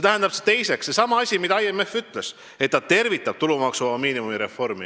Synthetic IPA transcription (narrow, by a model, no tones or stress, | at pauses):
et̪æɦend̪ɑb̥set̪e̞jse̞ksːe̞sɑmɑɑsʲimid̪̥ɑɑjemːe̞fːyt̪ˑle̞s | et̪ːɑt̪e̞rvit̪ːˑɑb̥̚t̪ulumɑksumɑmiːnimumiɾe̞fo̞rmḭ